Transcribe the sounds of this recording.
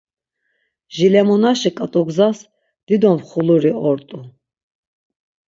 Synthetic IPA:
ʒilɛmɔnaʃikʼat̪ʼɔɡzas | d̪̥id̪ɔmχuluɾiɔɾt̪ʼu

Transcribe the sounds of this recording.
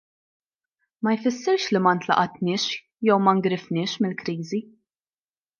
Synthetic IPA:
mɐjfɪsːɪɾʃlimɐnt̪lɐ̰ʔɐt̪nɪːʃ | jɛwmɐŋɡɾɪfnɪːʃmɪlkɾiːzi

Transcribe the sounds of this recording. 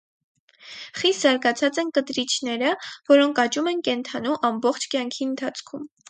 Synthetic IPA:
χist̪zɑɾɡɑt͡sʰɑt͡sɛnkət̪ɾit͡ʃʰnɛɾəvɔɾɔŋkʰɑt͡ʃumɛnkɛnt̪ʰɑnuʔɑmbɔχt͡ʃʰkjɑŋkʰiənt̪ʰɑt͡sʰkʰum

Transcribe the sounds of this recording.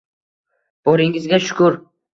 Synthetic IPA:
b̥oɾɪŋɪzɡʲaʃʊ̥kʰʊɾ

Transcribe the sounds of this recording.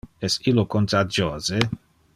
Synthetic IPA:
ɛsilokont̪ad͡ʒoːze

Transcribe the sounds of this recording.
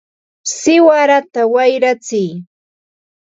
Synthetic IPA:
sɪwaɾat̪awajɾat͡sɪj

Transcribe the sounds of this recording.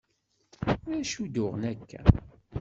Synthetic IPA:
ʊɾæʃud̪ʊʁənækːæ̰

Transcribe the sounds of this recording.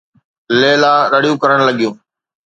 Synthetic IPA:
leːlaːɾəɽijũːkəɾəɽ̃ləɠijũː

